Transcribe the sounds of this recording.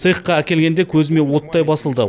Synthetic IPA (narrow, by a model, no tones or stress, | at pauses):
sɨjqːɑækʲe̞lɡʲe̞nd̪e̞kʲʰɵzɪme̞wo̞t̪ːɑjbɑsəlˠd̪ə̰